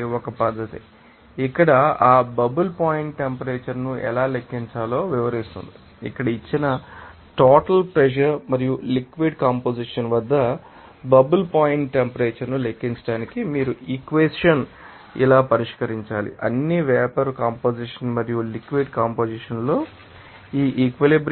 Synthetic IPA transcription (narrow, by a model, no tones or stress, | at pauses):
ɔkɐpɐd̪ːɐt̪i | ikːɐɽɐaːbɐbulpaːjiɳʈːempɐɾeːt͡ʃɐɾnuʔɛ̰laːlekːiɲt͡ʃaːlo̞ːʋiʋɐɾist̪und̪i | ikːɐɽɐit͡ʃːinɐ | ʈoːʈɐlpɾeʃɐɾmɐɾijulikʋiɖkaːmpoːd͡ʒiʂɐnʋɐd̪ːɐ | bɐbulpaːjiɳʈʈːempɐɾeːt͡ʃɐɾnulekːiɲt͡ʃɐ̥ɽaːnikimiːɾuikʋesʂɐn | ḭlaːpɐɾiʂkɐɾiɲt͡ʃaːlḭʔɐ̰nːiʋɛːpɐɾkaːmpoːd͡ʒiʂɐnmɐɾijulikʋiɖkaːmpoːd͡ʒiʂɐnlo̞ː | iːʔikʋelibɾ